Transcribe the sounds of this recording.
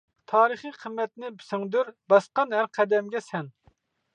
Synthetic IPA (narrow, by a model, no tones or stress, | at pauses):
t̪ʰɑːɾɨχɨjqʰəmːɛt̪nɪbɪsɪŋd̪yɾbɑsqɑnhæɾqʰɛd̪ɛmɡʲɛsɛn